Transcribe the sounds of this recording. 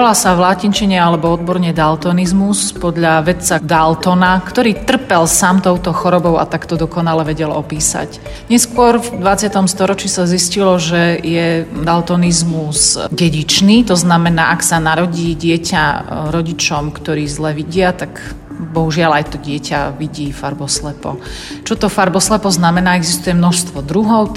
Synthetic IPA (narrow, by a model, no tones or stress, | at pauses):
ɔlasaʋlacint͡ʃiɲɛalɛbɔɔd̪̚bɔɾɲɛd̪alt̪ɔnizmuspɔd̪ʎaʋɛt̪t͡sad̪alt̪ɔnakt̪ɔɾiːt̪r̩pɛlsamt̪ɔʊt̪ɔxɔɾɔbɔʊa̰t̪akt̪ɔd̪ɔkɔnalɛʋɛɟɛlɔpiːsa̰c | ɲɛskwʊɔɾvd̪ʋat͡sɪat̪ɔmst̪ɔɾɔt͡ʃisaziscilɔʒɛjɛd̪alt̪ɔnizmuzɟɛɟit͡ʃniːt̪ɔznamɛnaːʔaksanaɾɔɟiːɟɪɛcaɾɔɟit͡ʃɔmkt̪ɔɾiːzlɛʋiɟɪat̪ak | bɔɦuʒɪalajt̪ɔɟɪɛcaʋiɟiːfaɾbɔslɛpɔ̰ | t͡ʃɔt̪ɔfaɾbɔslɛpɔznamɛnaːɛɡzist̪ujɛmnɔʃst̪ʋɔd̪ɾuɦɔʊ